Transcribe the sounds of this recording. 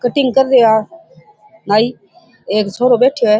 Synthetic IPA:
kəʈɪŋɡ̚kəɾdeːaː | naːiː | eːksoːɾoːbeːʈʰjoːɛː

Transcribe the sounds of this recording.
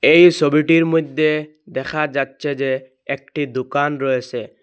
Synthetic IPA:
ejsɔbiʈiɾmod̪ʱje | d̪ɛkʰad͡ʒatːʃʰed͡ʒe | ek̚ʈid̪ukanɾɔesʰe

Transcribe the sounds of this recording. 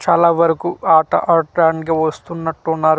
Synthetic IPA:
t͡ʃaːlaːʋɐɾɐkuːaːʈɐ̰ʔɐɾʈɾaːɳɖɡɐːʋɐst̪unːɐʈːunːaːɾu

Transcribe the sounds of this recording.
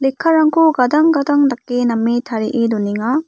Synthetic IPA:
lekʰːaɾaŋkoɡad̪aŋɡad̪aŋdakːenamːit̪ʰaɾiʔeduniŋa

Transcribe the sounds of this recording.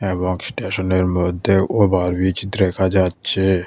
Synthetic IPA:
ebɔŋɡsʈeːʃəneɾmɔd̪ʱeobaɾbit͡ʃd̪ɾekʰad͡ʒaːt̪t͡ʃʰe

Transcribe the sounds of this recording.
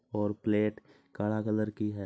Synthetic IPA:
ɔːɾpleːʈ | kaːɭakələɾkiɦɛː

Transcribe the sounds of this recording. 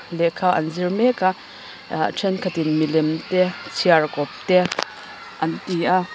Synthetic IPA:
lɛkʰaʔɐnzirmɛka | ʈ͡ʂʰɛnkʰɐt̪inmilɛmt̪ɛt͡sʰiarkɔp̚t̪ɛ | ʔɐnt̪iʔa

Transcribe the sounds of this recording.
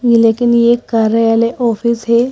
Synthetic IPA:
ɡilekinjekːaɾəjaleʔɔfiːsɦe

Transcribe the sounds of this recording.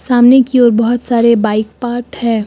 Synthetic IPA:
saːmnekiɔːɾbɐɦɔt̪saːɾebaːɪk̚paːɾʈhɛ̃ː

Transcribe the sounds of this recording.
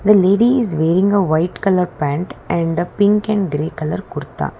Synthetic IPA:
d̪ɐleːɖiɪzʋeːɾɪ̃ŋɡɐʋɐɪʈkɐlɐɾpæ̃ːɳʈʔɛ̃ɳɖɐpɪ̃ŋkɛ̃nɡɾeːkɐlɐɾkʊɾɪt̪ːa̰ː

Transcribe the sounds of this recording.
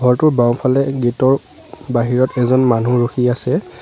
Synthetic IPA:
ɡʱɔɹtʊɹbaw̃pʰalɛɡitɔɹ | baɦiɹɔtɛzɔnmanuɹuxiasɛ

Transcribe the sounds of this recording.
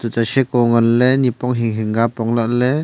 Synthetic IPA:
t̪utaʃɛkoŋɐnlɛnipɔŋɦiŋɦɪŋɡapɔŋlaʔlɛ

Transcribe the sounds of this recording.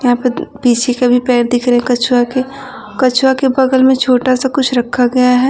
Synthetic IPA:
jɐɦãːpɐɾbiːt͡ʃʰekɐbʱipɛːɾd̪ikɾeɛ̃kɐt͡ʃʰwake | kɐt͡ʃʰwakebɐɡəlmẽt͡ʃʰoːʈasakʊt͡ʃʰɾɐkʰːaɡɐjaɦɛː

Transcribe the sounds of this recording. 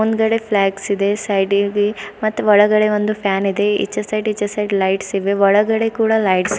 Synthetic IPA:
ond̪ɡɐɽe̞pʰlaːksid̪e̞sɐjɖɡimɐt̪ːuɔɭɐɡɐɽe̞ʋond̪upʰjaːnid̪e̞ḭt͡ʃːɐsɐjʈit͡ʃːɐsɐjʈlɐjʈsiʋeʋɔɭɐɡɐɽe̞kuːɽɐlɐjʈs

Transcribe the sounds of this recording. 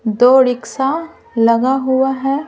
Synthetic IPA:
d̪oːɾɪksa | lɐɡaɦʊaɦɛː

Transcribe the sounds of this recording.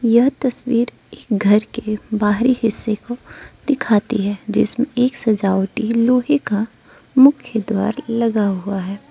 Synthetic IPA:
jɐɦt̪ɐswiːɾ | eːkɡʱɐɾkebaːɦɾihɪsːekod̪̥ɪkʰaːt̪ḭɦɛːd͡ʒɪ̰smẽeːksɐd͡ʒaːwʈiloːɦeka | mʊkʰjəd̪wa̰ːɾlɐɡaɦuaɦɛː

